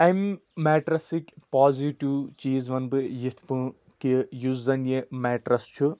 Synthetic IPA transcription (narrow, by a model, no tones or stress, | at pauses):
ɐmːɛːʈɾɐsikʲpaːziʈiwt͡ʃiːzʋɐnbɨjit̪ʰpɨ̃ | kijuzzɐnjemɛːʈɾɐst͡ʃʰu